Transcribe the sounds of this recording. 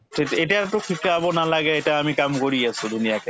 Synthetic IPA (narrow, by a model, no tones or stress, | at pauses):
ʈʰieʈaʈukʰikaabonalaɡeeʈaamikamkoɾiat͡ɕʰud̪unijake